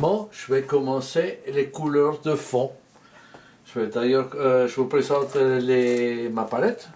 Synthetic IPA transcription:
mɑ̃ʒ̥əvɛkɔmɑ̃selekulœʁd̪əfɔ̃ | ʒ̥əvɛd̪ajœʁøʒəvupχezɑ̃t̪lemapalɛt̪

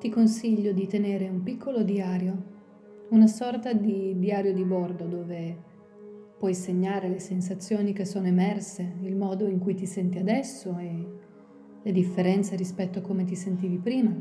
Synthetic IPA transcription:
t̪ikonsiʎːod̪it̪eneːɾeumpikːolod̪iaːɾjo | unasɔrt̪ad̪id̪iaːɾjod̪ibɔrd̪od̪oːve | pwɔjseɲːaːɾelesens̬at̪sːjoːnikesːoːnoemɛrseilmɔːd̪oiŋkujt̪isɛnt̪iad̪ɛsːoe | led̪ifːeɾɛnt̪seɾispɛt̪ːoakːomet̪̬isent̪iːvipɾiːma

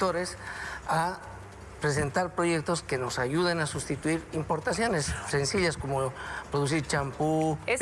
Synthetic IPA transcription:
t̪o̞ɾe̞sa | pɾe̞s̬e̞nt̪aɾpɾo̞ʝe̞k̚t̪o̞ske̞no̞saʝuðenasust̪it̪uiɾimpo̞ɾt̪asjo̞ne̞sse̞nsiʎasko̞mo̞pɾo̞ðus̬iɾt͡ʃampu

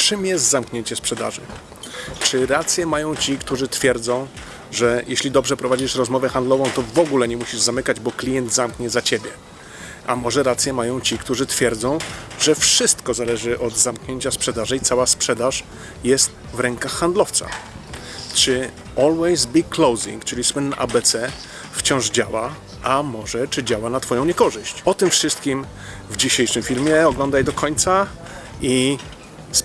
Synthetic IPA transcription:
t͡ʂɘmjɛst̪zamkɲeɲt͡ɕɛspʂɛd̪a̰ʐɘ̰ | t͡ʂɘɾat̪sʲjɛmajɔ̃w̃t͡ɕikt̪uʐɘt̪fʲjɛɾd̪zɔ̃w̃ | ʐɛjʔeɕlʲid̪ɔbʐɛpɾɔvad͡ʑiʂɾɔzmɔvɛxand̪lɔvɔ̃w̃t̪ɔvɔɡulɛɲɛmuɕiʐzamɘkad͡ʑbɔklʲijɛnd̪zamkɲɛzat͡ɕebʲjɛ | amɔʐɛɾat̪sʲjɛmajɔ̃w̃t͡ɕikt̪uʐɘt̪fʲjɛɾd̪zɔ̃w̃ʐɛfʂɘst̪kɔzalɛʐɘʔɔd̪zamkɲeɲt͡ɕaspʂɛd̪aʐɘit̪sawaspʂɛd̪aʂ | jɛst̪ | vɾɛŋkaxːand̪lɔft̪sa̰ | t͡ʂɘ | ɔlwɛjzbikːlɔwzḭŋkt͡ʂɘlʲiswɘnːaʔabɛt̪sɛ | ft͡ɕɔ̃w̃ʐd͡ʑawa | amɔʐɛt͡ʂɘd͡ʑawanat̪fɔjɔ̃w̃ɲɛkɔʐɘɕt͡ɕɔt̪ɘmfʂɘst̪̚kʲim | vd͡ʑiɕejʂɘmfʲilmʲjɛɔɡlɔ̃nd̪ajd̪ɔkʰɔɲt̪sa | i

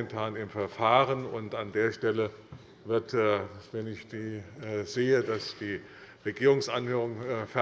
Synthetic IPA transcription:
ɛntʰaːnɪmfɛɐfaːʁənʊntandeːɐʃtɛlə | vɪɐtːvɛnɪçd̥iːz̥eːədasd̥iː | ʁeɡiːʁʊŋsʔanhøːʁʊŋfɛ

